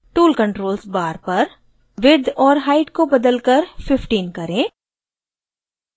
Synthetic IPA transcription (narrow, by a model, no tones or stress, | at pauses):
ʈuːlkə̃ɳʈɾoːlsbaːɾpɐɾ | ʋɪd̪ɔːɾɦaːɪʈkobɐd̪əlkəɾfɪfʈiːnkɐɾẽː